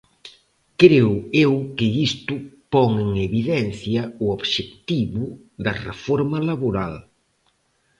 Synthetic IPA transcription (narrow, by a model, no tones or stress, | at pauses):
kɾewewkɪist̪ʊpɔŋeŋeβiðɛn̟θjɐuoβʃekt̪iβʊ | ðɐrḛfɔɾmɐlaβoɾal